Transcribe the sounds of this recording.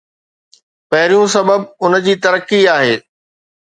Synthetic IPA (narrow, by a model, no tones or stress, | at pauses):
pɐɦɪɾijũsɐbəbʊnəd͡ʑiːt̪ɐɾəkːiaːɦeː